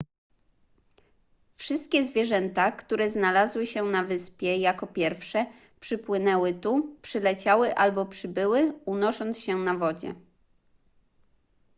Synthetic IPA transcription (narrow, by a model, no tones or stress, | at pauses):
fʂɘst̪̚kʲɛzvʲjɛʐɛnt̪akt̪uɾɛznalazwɘɕɛnavɘspʲjɛjakɔpʲjɛɾfʂɛ | pʂɘpwɘnɛwɘt̪upʂɘlɛt͡ɕawɘʔalbɔpʂɘbɘwɘunɔʂɔnt̪sɕɛnavɔd͡ʑɛ̰